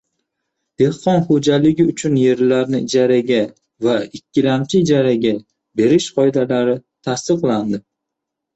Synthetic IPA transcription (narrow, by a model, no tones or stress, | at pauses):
d̪̥e̞hqɒnχod͡ʒalɪɡʲɪʊt͡ʃʰʊnje̞ɾlaɾnɪɪd͡ʒaɾaɡʲa | vaɪkʲʰːɪlamt͡ʃʰɪɪd͡ʒaɾaɡʲa | be̞ɾɪʃqʰɒjd̪alaɾɪt̪ʰast̪ɨqlˠand̪ɪ